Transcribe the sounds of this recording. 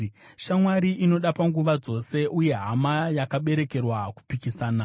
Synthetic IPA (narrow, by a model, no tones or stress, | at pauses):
ʃamwaɾiʔino̞ɗapaŋɡuʋad͡zo̞se̞ʔuje̞ɦamajakaɓe̞ɾe̞ke̞rwaku̥pikisaːna